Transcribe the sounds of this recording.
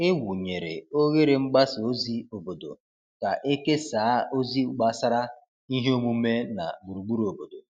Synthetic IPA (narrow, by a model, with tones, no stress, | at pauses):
ɪ˦wu˨ɲe˨ɾḛ˨o˦ɣe˦ɾɪ˨ŋ͡m̩˦ɡ͡ba˦so˦zi˦o˨bo˨do̰˨ | ka˨ʔe˦ke˦saː˨˦o˦zi˦ɡ͡ba˦sa˦ɾa˦ | i˦ɦe˦o˦mu˦me˦na̰˨ɡ͡bu˨ɾu˨ɡ͡bu˦ɾo˨bo˨do̰˨